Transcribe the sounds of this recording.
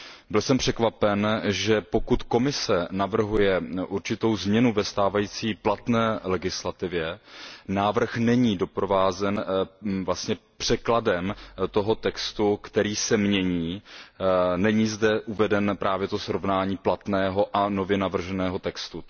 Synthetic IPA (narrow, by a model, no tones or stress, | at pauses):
bɪlsɛmpr̝̥ɛkvapɛnʒɛpo̞kut̪ko̞mɪsɛnavr̩ɦujɛʔuɾt͡ʃɪt̪o̞wzmɲɛnuvɛst̪aːvajiːt͡siːplat̪nɛːlɛɡɪslat̪ɪvjɛnaːvr̩xnɛɲiːdo̞pɾovaːzɛnvlast̪ɲɛpr̝̥ɛkladɛmt̪o̞ɦo̞t̪ɛkst̪ukt̪ɛɾiːsɛmɲɛɲiː | nɛɲiːzdɛʔuvɛdɛnpɾʔaːvjɛt̪osɾovnaːɲiːplat̪nɛːɦo̞ʔano̞vjɛnavr̩ʒɛnɛːɦo̞t̪ɛkst̪u